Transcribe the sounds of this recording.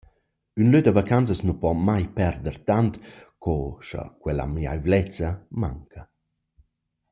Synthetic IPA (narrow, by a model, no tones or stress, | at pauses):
ynløt̪̚dəvakant͡səsnupɔmajpɛɾd̪əɾt̪ant̪kʰɔʃə̰kwɛla̰mia̰jvlɛt͡səma̰ŋkʰə